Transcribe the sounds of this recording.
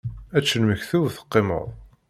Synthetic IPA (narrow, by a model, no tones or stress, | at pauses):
æt͡ʃːənməçθuðθə̥qːɪmə̰ðˤ